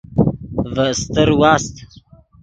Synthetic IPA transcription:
vəst̪əɾwaːst̪

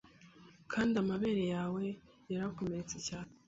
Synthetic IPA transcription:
kʰaːndiamaβe̞ɾejaːwe̞ | jaɾako̞me̞ɾet͡secaːne

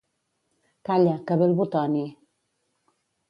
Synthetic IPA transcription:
kaʎakaβelbut̪ɔni

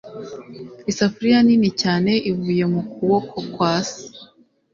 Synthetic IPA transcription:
isafuɾijaninicaːne̞ʔivuːje̞mukuwo̞kʰo̞kwaːsi̥

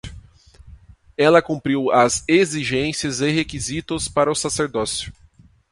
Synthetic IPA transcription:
ɛlɐkũmpɾiwɐzeziʒẽsiɐzeɦekizit̪ʊspaɾɐʊsaseɾd̪ɔsjʊ

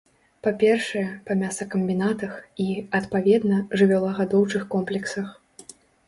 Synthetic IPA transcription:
papʲɛrʂɨjɛpɐmʲasɐkɐmʲbʲinat̪ɐxiɐt̪pavʲɛd̪nɐʐɨvʲalˠaɣad̪ɔwt͡ʂɨxkɔmplʲɛksɐx

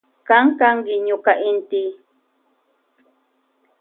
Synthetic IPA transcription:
kaŋkaŋkɪɲʊkaʔɪnt̪ɪ

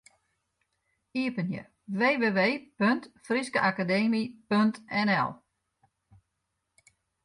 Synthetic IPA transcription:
iəpənjə̰ | ʋeːʋeːʋeːpøntfriskəʔakadeːmipøntɛnɛ̰lˠ

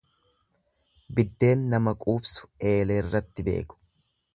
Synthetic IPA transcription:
bɪd̪ːe̞ːnːɐmɐkʼuːbsʊ̥e̞ːleɪrːɐt̪ːɪbe̞̰ːkʊ̥

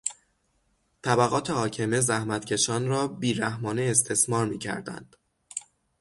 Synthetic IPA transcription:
t̪ʰæbæɣɒːt̪ʰe̞hɒːcʰe̞me̞zæhmæt̪cʰe̞ʃɒːnɾɒːbiːɾæhmɒːneest̪ʰe̞smɒːɾmiːcʰæ̰ɾd̪æ̰nd̪̥

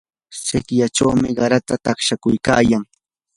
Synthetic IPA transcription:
sɪkjaʈ͡ʂawmɪɢɑɾat̪at̪ɑχʃakʊjka̰ːjaŋ

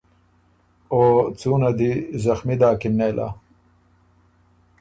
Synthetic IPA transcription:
oːt͡suːnad̪izɐxmid̪aːkɪmneːlʔa̰

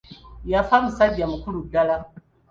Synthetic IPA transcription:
jafam̩sadijamukuluɡala

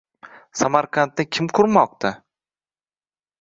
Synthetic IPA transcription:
samaɾqʰant̪̚ːɪkʲʰɪmkʰʊɾmɒq̚t̪ʰa

